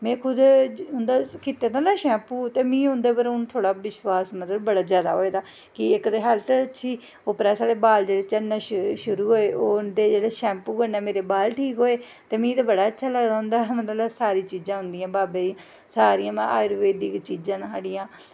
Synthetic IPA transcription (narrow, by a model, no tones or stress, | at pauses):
mɛ̃ːkʰʊd̪ɦʊ̃nd̪aːkit̪ːeːt̪ãːnaːʃɛ̃ːmpũːt̪eːmĩːʊ̃nd̪eːpəɾʊnt̪ʰoːɽaːʋɪʃwaːsmət̪ləbbəɽaːzjaːd̪a̰ːɦoːeːd̪aː | kɪɪkd̪eːɦəlt̪ətːʃʰiː | opɾaːsaːɽeːbaːld͡ʒeːɽeːt͡ʃəɽnaːʃʃʊɾuːɦoːeːʔoːd̪eːd͡ʒeːɽeːʃɛ̃ːmpuːkənɛːmeːɾeːbaːlʈʰiːkɦoːeː | t̪eːmĩːt̪aːbəɽaːətːʃʰaːləɡd̪aːɦʊ̃nd̪aːmət̪ləsaːɾiːt͡ʃiːd͡ʒãːɦʊ̃nd̪iːãːbaːbe | saːɾiãːmɛ̃a̰ːɪɾʋeːd̪iːkt͡ʃiːd͡ʒãːnɦaɽijãː